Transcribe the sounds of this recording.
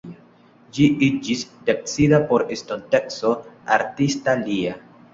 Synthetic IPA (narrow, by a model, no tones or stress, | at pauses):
d͡ʒiid͡ʒisdek̚t͡sidapo̞ɾestonte̞kso̞a̰ɾtistalia